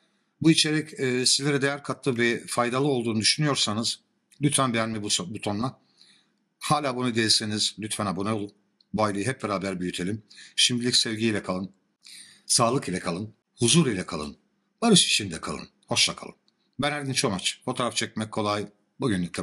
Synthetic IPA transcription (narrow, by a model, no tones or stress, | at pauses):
buit͡ʃʰe̞ɾɛcːsizlʲeɾɛd̪ejæɾkʰat̪lˠɯvɛfajd̪alˠɯo̞lˠd̪uːnud̪yʃynyjo̞ɾsanɯz̥ | lʲyt̪fænbejænmibbut̪ʰo̞nːˠa | haːlʲaːbunud̪ejlʲsenizlʲyt̪fænabonajo̞lˠun | buajlˠɯjɦɛpvɛɾaːbæɾbyjyt̪ʰe̞lʲimʃimd̪ʲilʲicʲsɛvɟijlʲɛkʰalˠɯn | saːlˠɯkilʲɛkʰalˠɯn | huzuːɾilʲɛkʰalˠɯ̰n | b̥aɾɯʃi̥ʃind̪ɛkʰalˠɯ̰nho̞ʃlˠakʰa̰lˠɯ̰n | bænæɾd̪int͡ʃʰomat͡ʃfo̞t̪ʰo̞ːɾaft͡ʃʰɛc̚mɛc̚ʰːo̞lˠaj | buɟynlʲycʲlʲɛ